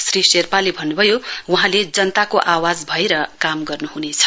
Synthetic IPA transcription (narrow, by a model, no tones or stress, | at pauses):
sriserpalebʱʌnːubʱʌjowuɦãled͡zʌnt̪akoʔawad͡zbʱʌeɾʌkamɡʌrnuɦunet͡sʰʌ̥